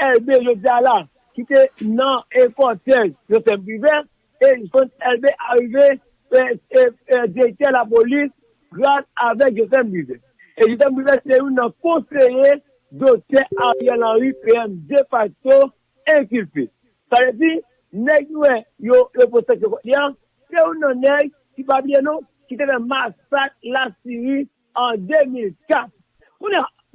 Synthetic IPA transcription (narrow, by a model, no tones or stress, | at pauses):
ɛlbejodala | kitenãekɔtɛʒosɛmbivɛ | efɔ̃tɛlbeʔaɣive | d͡ʒetɛlap̬olis | ɡɾãtavɛkʒosɛmbivɛ | ed͡ʒos̬ɛmbivɛseɾũnãkoseje | dotɛaijalãwipeɛmdefato | ɛ̃kilpḛ | saɾet̬i | nekiwɛjojoposɛk̬ekɔɗiã | tewunãnɛj | kipabliɛnõ | kitɛbɛmasat̚lasiɾi | ãdemilkat | kũna